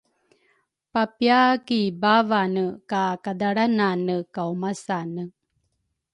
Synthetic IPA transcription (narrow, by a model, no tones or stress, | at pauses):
papjakibavanəkakadaɽananəkawmasanə